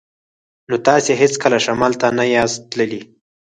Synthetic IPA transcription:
not̪ɑseɦɪt͡skəlaʃamɑlt̪anajɑzt̪ləli

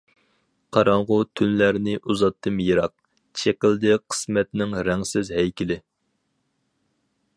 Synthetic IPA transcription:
qʰɑɾɑɴʁʊt̪ʰynlæɾnɪʔuzɑt̪ʰːɨmjeɾɑq̚ | t͡ʃʰekʲɪld̪ɪqʰə̥smɛt̪nɪŋɾɛŋsɪzɦɛjkʲilɪ

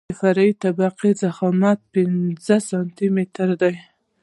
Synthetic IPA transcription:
faɾait̪abaqizaxɑmat̪̚pɪnzəsɑnt̪imet̪ɾd̪aj

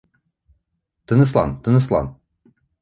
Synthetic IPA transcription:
t̪ɤ̆nɤ̆s̬lˠɑ̰nt̪ɤ̆nɤ̆slˠɑ̰n

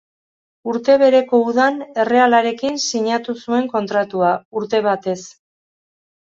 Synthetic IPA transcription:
uɾt̪e̞β̞e̞ɾe̞ko̞uðane̞re̞alaɾe̞kinsiɲat̪usue̞ŋko̞nt̪ɾat̪uauɾt̪e̞βat̪e̞s

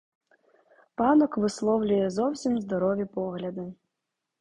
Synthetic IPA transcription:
panɔkvɨslˠɔwlʲujɛzɔwsʲimzd̪aɾɔvʲɛpɔɣlʲɐd̪ɨ

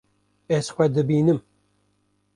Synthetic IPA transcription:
ezxʷɛd̪ɨbiːnɨm

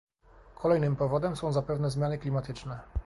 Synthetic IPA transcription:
kʰɔlɛjnɘmpɔvɔd̪ɛmsɔ̃w̃zapɛvnɛzmʲjanɘklʲimat̪ɘt͡ʂnɛ

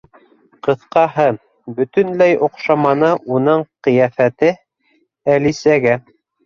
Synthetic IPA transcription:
qɤ̆θqɑɦɤ | bɵ̆t̪ɵ̆nlæjŏqʃɑmɑnɤʔunɤɴqɤ̆jæfæt̪ɘ | ælisæɡæ

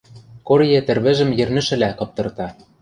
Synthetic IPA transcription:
korjĕt̪ɘ̆rβɘ̆ʒɘ̆mjɘ̆rnɘ̆ʃɘ̆lækɤ̆p̚t̪ɤ̆rt̪ɑ

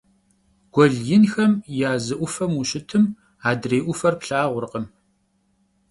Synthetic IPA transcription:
ɡ̥ʷɔɮjɪnxɐmjaːzɨʔʷʊfɐmuɕɪtʰɨm | aːdreːʔʷʊfɐrpɬaːʁʷʊɾqəm

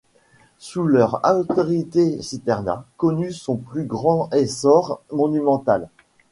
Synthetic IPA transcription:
sulœʁa̰t̪ɔʁit̪esit̪ɛʁna̰kɔnysɔ̃plyɡʁɑ̃ɛsɔʁmɔnymɑ̃t̪al

